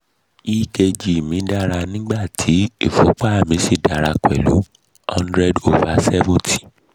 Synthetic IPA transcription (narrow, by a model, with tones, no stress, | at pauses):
i˦ke˧d͡ʒi˨mĩ˨˦da˦ɾa˧nĩ˦ɡ͡ba˦˨tʰi˨˦i˦˨fɔ˨˦k͡pa˦˨mĩ˨˦si˦˨da˨ɾa˧kwɛ̰˨lṵ˨˦ | hã˦ndɾɛ˦do˨va˨sɛ˦vũ˦tʰi̥˦˨